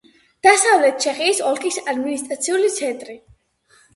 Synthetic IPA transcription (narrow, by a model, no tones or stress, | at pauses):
d̪̥asavlɛt̪̚t͡ʃʰɛχiːsɔlˠkʼisad̪minist̪ʼɾat̪sʰiulit̪sʰɛnt̪ʼɾi